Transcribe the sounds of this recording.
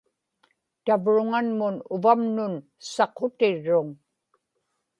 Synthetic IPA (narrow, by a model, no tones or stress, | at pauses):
t̪avɻʊŋanmʊnʊvamnʊn | sɑqot̪ɪɻːʊŋ